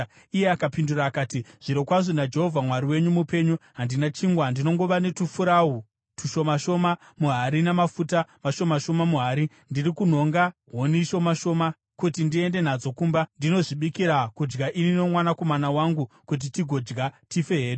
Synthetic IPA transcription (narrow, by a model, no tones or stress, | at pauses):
ije̞akapinduraːkaːtiʐ̥iɾokwaʐonad͡ʒe̞ɦo̞vʱamwaɾiwe̞ɲumupe̞ːɲuɦandinat͡ʃiŋɡwandino̞ŋɡo̞ʋane̞tufuɾau | tuʃo̞maʃo̞ma | muɦaɾinamafutamaʃo̞maʃo̞mamuɦaɾi | ndirikun̤o̞ŋɡa | ɦo̞niʃo̞maʃo̞ma | kutindie̞nde̞n̤ad͡zo̞kuːmbandino̞ʐiɓikiɾakud͡ʒɡaʔinino̞mwanako̞manawaŋɡu | kut̬itiɡʱo̞d͡ʒɡatife̞ɦeːɗe